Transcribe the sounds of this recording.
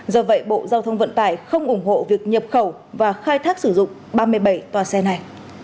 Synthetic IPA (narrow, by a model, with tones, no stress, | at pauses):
zɔ˧və̰˧˨jɓo̰˧˨zaː˧wt̪ʰə˧wŋ͡mvə̰˧˨nt̪aː˧˩jxə˧wŋ͡mʔʊ˧˩ŋ͡mɦo̰˧˨vi˨˩ək̚ɲə˨˩p̚xə˧˩w | vaː˨˩xaː˧jt̪ʰaː˦˥k̚sɨ˧˩zʊ̰˧˨ŋ͡mɓaː˧mɨ˧əjɓə˧˩jt̪waː˨˩sɛ˧na˨˩j